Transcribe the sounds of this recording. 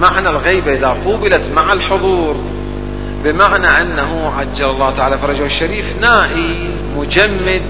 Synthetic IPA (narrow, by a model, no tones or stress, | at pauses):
maʕnalɣijbaʔɪðaquːbɪlat̪maʕalħʊðˤuːɾ | bɪmaʕnaʔanːaɦʊʕad͡ʒːalɑlˤːɑːt̪aʕaːlafɑɾˤɑd͡ʒawɪʃːaɾiːfnaːʔi | mʊd͡ʒamːɪd̪̚